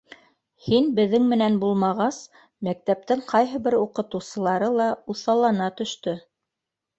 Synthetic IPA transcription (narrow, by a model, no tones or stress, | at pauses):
hinbɘ̆ðːɘŋmɘ̆nænbulˠmɑʁɑs | mæk̚t̪æp̚t̪ɘŋqʰɑjɦɤ̆βɘɾuqɤ̆t̪ɤ̆wsɤ̆lˠɑɾɤlˠɑuθɑlˠɑnɑt̪ɵ̆ʃt̪ɵ